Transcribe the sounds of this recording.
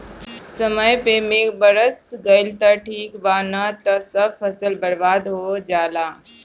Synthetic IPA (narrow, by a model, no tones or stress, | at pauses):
səməjpemeːbəɾəsɡɐjlt̪ɐʈʰiːkbaːnɐt̪ɐsɐbfɐsəlbəɽbaːd̪ɦod͡ʒaːlaː